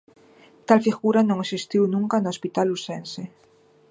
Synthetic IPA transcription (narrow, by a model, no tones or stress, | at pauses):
t̪alfiɣuɾanõŋesist̪iwnũŋkanoospit̪alːusensɪ